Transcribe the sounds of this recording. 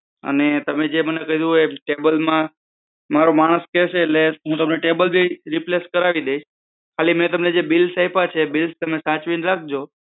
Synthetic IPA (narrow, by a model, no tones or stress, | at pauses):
ə̰net̪əmed͡ʒemənekəɦd̪ũeʈebəlmã | maɾomaɽ̃əskɛʃeːleɦũt̪əmneʈebəlbʱiɾipleskəɾaʋid̪eiʃ | kʰalimnet̪əmned͡ʒebilsajpat͡ʃʰebilst̪əmesãt͡ʃʋinɾak̚ʰd͡ʒo